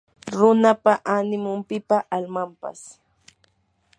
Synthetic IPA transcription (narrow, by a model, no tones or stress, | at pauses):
ɾʊnapaʔanɪmʊmpɪpaʔalmampa̰s